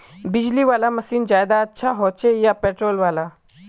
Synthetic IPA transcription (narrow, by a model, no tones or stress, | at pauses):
bɪd͡ʒliʋaːlamɐsiːnzaːjd̪aɐtːʃʰaɦoːt͡ʃʰejapeːʈɾoːlʋaːlaː